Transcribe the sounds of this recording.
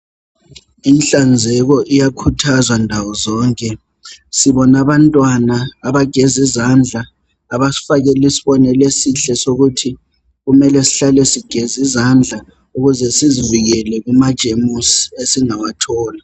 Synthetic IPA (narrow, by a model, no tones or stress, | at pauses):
inɬand͡zʱɛɣɔʔijakʰutʰazwandʱawɔzɔːŋkʼɛ | siβɔnaβantʼwanaːβaɡ̥ʱɛzizand͡ɮʱaː | βafaɣɛlisiβɔnɛlesiɬɛsoɣutʰi | ɣumɛlɛsi̥ɬalɛsiɡ̥ʱɛzizand͡ɮʱa | uɣuzɛsiziviɣɛlɛɣumad̥ʒ̥ʱemusiesiŋawatʰɔːla